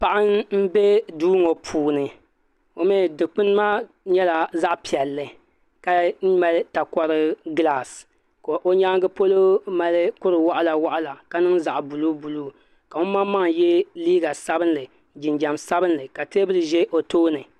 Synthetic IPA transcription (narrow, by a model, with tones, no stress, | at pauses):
pa˨ʔa˦nm̩˦be˦duː˦ŋo˨pʰuː˨nɨ˨ | o˦mɛ˦˨dɨ˨k͡pɨ˦nɨ˦ma˦ | ɲɛ˦la˨za˦ʔpi˨ɛ˨lːɨ˨ | ka˨˦ma˦lta˨kɔ˦ɾɨ˦ɡla˦˨s | ko˨ʔo˦ɲaː˦ŋ˦ɡɨ˦po˦lo˦ma˦lɨ˦kʊ˦ɾɨ˨wa˦ʔa˦la˨wa˦ʔa˦la˨ka˦nɨ˦ŋza˨ʔbu˨lu˦bu˨lu˦ | ka˨o˦ma˦ma˦ŋjɛ˦liː˦ɡa˨sa˦bɨ˦nlɨ˨ | d͡ʒɪ˨nd͡ʒa˨msa˦bɨ˦nlɨ˨ka˨te˦bɨ˦lɨ˨ʒɛ˦ʔo˨toː˦nɨ˨